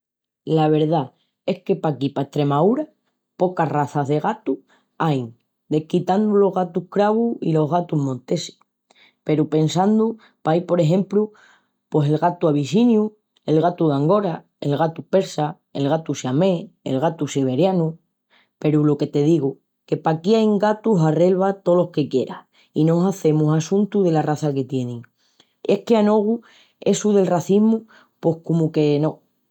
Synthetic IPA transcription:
laβ̞e̞ɾða | e̞hke̞pakipaeht̪ɾe̞mauɾa | po̞karaθazðe̞ɣ̞at̪u | ajŋ | d̪e̞hkit̪and̪ulo̞ɦɣat̪uhkɾaɣuḭlo̞ɦɣat̪uɦmõnt̪e̞si̥ | pe̞ɾupe̞nsand̪u | pajpo̞ɾe̞ɦẽ̞mplu | pose̞lɣat̪uaβisinju | e̞lɣat̪uðaŋɡo̞ɾa | e̞̰lɣat̪upe̞ɾsa | e̞̰lɣat̪usjame̞ḛlɣat̪usiβ̞e̞ɾjanu | pe̞ɾulo̞ke̞t̪e̞ð̞iɣu | ke̞pakiaeŋɡat̪uɦare̞lβat̪o̞lo̞hke̞kje̞ɾa̰ | ino̞saθe̞musasũnt̪uðe̞laraθake̞t̪jenẽŋ | e̞hke̞ano̞ɣ̞u | e̞suðe̞lraθiɦmu | po̞hkomuke̞nõ̞

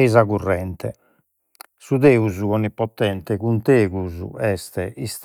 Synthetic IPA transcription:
izaɣurːɛnt̪ɛ | suðeːuzuɣɔnːipːɔt̪ːɛnt̪ɛkunt̪eːɣuzṵɛst̪ɛʔist̪

